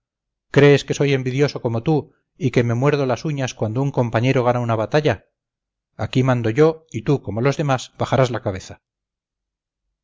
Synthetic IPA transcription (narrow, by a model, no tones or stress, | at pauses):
kɾe̞ːske̞so̞je̞mbiðjo̞so̞ko̞mo̞t̪u | ike̞me̞mwe̞ɾð̞o̞lasuɲaskwand̪ouŋko̞mpaɲe̞ɾo̞ɣ̞anaunaβat̪aʎa | akimãnd̪o̞ʝo̞it̪uko̞mo̞lo̞zðe̞masbaχaɾazlakaβe̞θḁ